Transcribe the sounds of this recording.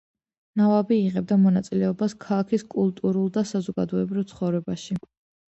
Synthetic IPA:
navabiːʁɛb̚d̪amɔnat̪sʼilɛɔbaskʰalˠakʰiskʼulˠt̪ʼuɾulˠd̪asazɔɡad̪ɔɛbɾivt̪sʰχɔvɾɛbaʃi

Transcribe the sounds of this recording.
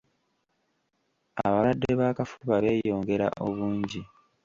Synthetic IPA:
a̰βawadːeβaːkafuβaβe̞ːjo̞ːŋɡe̞ɾa̰ʔo̞βuːɲɟi

